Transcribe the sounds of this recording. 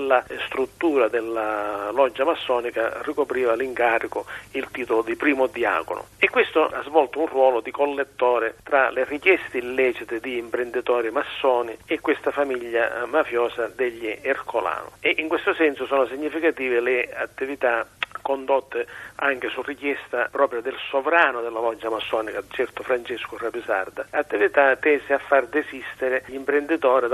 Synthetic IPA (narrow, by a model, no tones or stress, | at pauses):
lːast̪ɾut̪ːuːɾad̪ɪlːalɔd͡ʒːamasːɔːnika̰rikopɾiːvaliŋkaːɾikʊilt̪iːt̪olʊd̪ipɾiːmʊd̪ia̰ːkʊnʊ̰ɛkːwest̪oʔazvɔlt̪ʊunrwɔːlod̪ikolːet̪ːɔːɾɪt̪ɾalɪrikjɛst̪ɪilːɛːt͡ʃit̪ɪd̪iːmpɾɪnd̪it̪ɔːɾimasːɔːniɛkːwest̪afamiʎːa̰mafjɔːsad̪eʎːierkola̰ːnʊ̰ɛʔiŋkwest̪ʊsɛnsʊsɔːnʊsiɲːifikat̪iːvɪlɪat̪ːivit̪akond̪ot̪ːɪaŋkɪsurik̟jɛst̪apɾɔːpɾjad̪ɪlsovɾaːnʊd̪ɪlːavɔd͡ʒːamasːɔːnikat͡ʃɛrt̪ʊfɾant͡ʃɛskʊrabisa̰rd̪aat̪ːivit̪at̪ːɛːsɪafːard̪esist̪ɪɾɪʎimpɾend̪it̪ɔːɾi